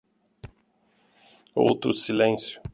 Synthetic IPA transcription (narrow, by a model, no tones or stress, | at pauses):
o̰wt̪ɾʊsilẽsjʊ